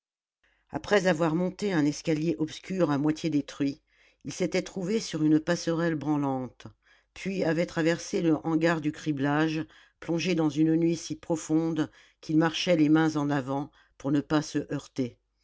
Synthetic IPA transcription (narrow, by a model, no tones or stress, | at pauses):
a̰pχɛzavwaʁmɔ̃t̪eɛ̃nɛskaljeʔɔpskʲyʁamwat̪ʰjed̪et̪χɥi | ilset̪ɛt̪χuvesyʁynpasəʁɛlbʁɑ̃lɑ̃t̪ | pʰɥiavɛt̪χavɛʁseləʔɑ̃ɡaʁd̪ykχiblaʒ | plɔ̃ʒed̪ɑ̃zynnɥisipχɔfɔ̃d̪ | kʰʲilmaʁʃɛlemɛ̃zɑ̃navɑ̃ | puʁnəpasəʔœʁt̪e